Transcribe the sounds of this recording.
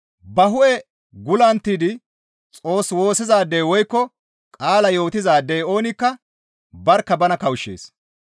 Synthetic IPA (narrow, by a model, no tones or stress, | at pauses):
bɐɦʊʔɛ | ɡʊlɐnt̪ːiːd̪ɪ | t͡sʼo̞ːswo̞ːsɪzaːd̪ːɛjwɔjkːɔ | kʼaːlɐjo̞ːt̪ɪzaːd̪ːɛjo̞ːnɪkːɐ | bɐɾkːɐbɐnɐkɐwʃːḛːs